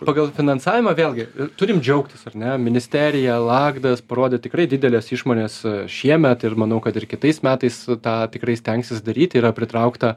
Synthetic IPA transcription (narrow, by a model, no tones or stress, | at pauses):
ppɑːɡɐlˠfʲɪnɐnsɑːʋʲɪmɐʋʲeːlˠʲɡʲɪɪt̪ʊɾʲɪmd͡ʒʲɛʊkt̪ʲɪsɐɾnʲɛmʲɪnʲɪsʲt̪ʲæːɾʲɪjɛlˠɑːɡd̪ɐspɐɾoːd̪ʲɛt̪ʲɪkɾɐɪdʲɪdʲɛlʲeːsɪʃmoːnʲeːsʃʲiɛmʲɛt̪ɪrmɐnɐʊkɐt̪ɪrkʲɪt̪ɐɪsmʲæːt̪ɐɪst̪ɑːt̪ʲɪkɾɐɪsʲt̪ʲɛŋksʲɪsd̪ɐɾʲiːt̪ʲiːɾɐpʲɾʲɪt̪ɾɐʊkt̪ɐ